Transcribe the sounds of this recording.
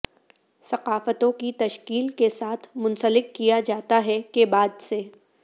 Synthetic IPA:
sɐqaːfət̪õkit̪ɐʃkiːlkesaːt̪ʰmʊ̃nsəlɪkːijad͡ʒaːt̪aɦɛkebaːd̪seː

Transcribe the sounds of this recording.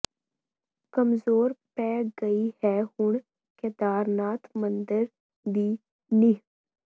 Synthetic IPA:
kəmzoːɾpɛːɡəihɛːhʊɳ | ked̪aːɾnaːt̪mə̃nd̪əɾ | d̪iː | ni

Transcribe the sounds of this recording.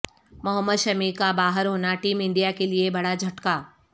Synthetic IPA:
mɐɦəmːəd̪ʃɐmikabaːɦəɾɦoːnaʈiːmɪ̃ɳɖijakeliebɐɽad͡ʒʱɐʈkaː

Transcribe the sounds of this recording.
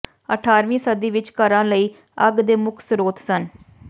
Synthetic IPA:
əʈʰaːɾʋĩːsəd̪iːʋɪt͡ʃkəɾãːləiː | əɡd̪eːmʊkʰsɾoːt̪ʰsən

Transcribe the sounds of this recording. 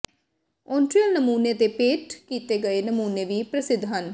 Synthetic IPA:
ɔ̃ːɳʈɾiəlnəmuːneːt̪eːpeːʈkiːt̪eːɡəeːnəmuːneːʋiːpɾəsɪd̪ʱːɦən

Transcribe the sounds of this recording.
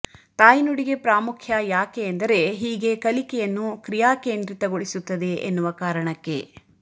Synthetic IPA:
t̪aːjinuɽiɡe̞pɾaːmukʰjɐjaːkeːnd̪ɐɾe̞ɦiːɡe̞kɐlikɛjɐnːukɾijaːkeːnd̪ɾit̪ɐɡoɭisut̪ːɐd̪e̞ʔenːuʋɐkaːɾɐɳɐkːe̞̰

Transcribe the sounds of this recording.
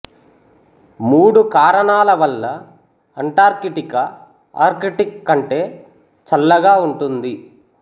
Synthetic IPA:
muːɽukaːɾɐɳaːlɐʋɐlːɐ | ɐɳʈaːɾkiʈikɐ | a̰ːɾkiʈikːɐɳʈe̞ː | t͡ʃɐlːɐɡaːuɳʈund̪i

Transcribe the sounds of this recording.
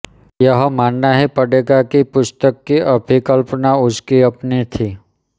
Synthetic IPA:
jəɦmaːnːaɦipɐɽeːɡakipʊst̪əkːiʔɐbʱikəlpnaʊskiɐpnit̪ʰiː

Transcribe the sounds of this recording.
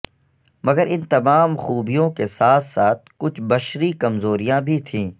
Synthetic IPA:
mɐɡəɾɪnt̪ɐmaːmxuːbijõkesaːt̪ʰsaːt̪̚ʰkʊt͡ʃʰbɐʃɾikɐmzoːɾijãbʱit̪ʰĩː

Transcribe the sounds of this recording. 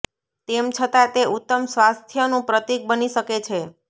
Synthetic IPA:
t̪emt͡ʃʰət̪at̪eʔut̪ːəmsʋast̪ʰjənũpɾət̪ik̚bəniʃəket͡ʃʰe

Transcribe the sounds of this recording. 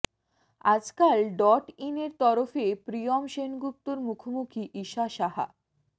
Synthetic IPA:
ad͡ʑkalɖɔʈineɾt̪ɔɾofepɾijomʃenɡup̚t̪oɾmukʰomukʰiʔiʃaʃaɦa̰

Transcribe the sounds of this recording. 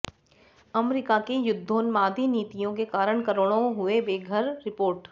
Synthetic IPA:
ɐmɾɪkakejʊd̪ʱːõːnmaːd̪ʱiniːt̪ijõkekaːɾəɳ̃kɐɾoɽ̃õɦʊebeːɡʱəɾːɪpoːɾʈ

